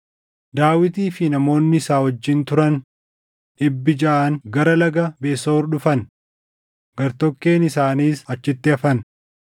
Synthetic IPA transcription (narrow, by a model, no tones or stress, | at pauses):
d̪aːwɪt̪iːfɪnɐmo̞ːnːɪːsaːhɔd͡ʒːɪnt̪ʊɾɐn | ᶑɪbːɪd͡ʒɐʔaːŋɡɐɾɐlɐɡɐbeːsoːɾɗʊfɐn | ɡɐɾt̪ɔkːe̞ːnɪsaːniːsɐt͡ʃːɪt̪ːɪɐfɐn